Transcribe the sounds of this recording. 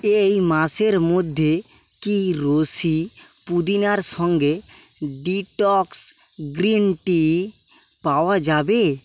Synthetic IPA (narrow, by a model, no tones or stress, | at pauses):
ejmaseɾmod̪ʱːe | kiɾosi | pud̪inaɾsɔŋɡe | ɖiʈɔks | ɡɾinʈi | pawad͡ʒabe